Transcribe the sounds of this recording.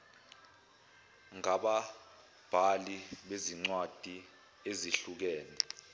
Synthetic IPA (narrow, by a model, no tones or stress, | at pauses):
ŋaɓa | b̥ʱaliɓeziŋ͡ǀwad̥ʱi | eziɬuk̬ɛːnɛ